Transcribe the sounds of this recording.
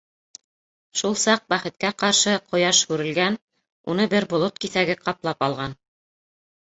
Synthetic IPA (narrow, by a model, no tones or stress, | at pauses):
ʃulˠsɑq̚bæχɘ̆t̪̚kæqɑɾʃɤqʰŏjɑʃhʉɾɘ̆lɡæn | unɤbɘɾbŏlˠot̪kiθæɡɘqɑplˠɑpɑlˠʁɑn